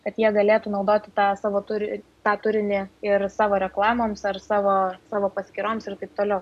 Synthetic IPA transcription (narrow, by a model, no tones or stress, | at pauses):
kɐt̪jiɛɡɐlʲeːt̪uːnɒʊd̪oːt̪ʲɪt̪ɑːsɑːʋoːt̪ʊɾʲɪt̪ɑːt̪ʊɾʲɪnʲɪɪɾsɑːʋoːɾʲɛklˠɑːmoːmsɐrsɑːʋoːsɑːʋoːpɐsʲkʲɪɾoːmsɪɾt̪ɐɪp̚t̪oːlʲɛʊ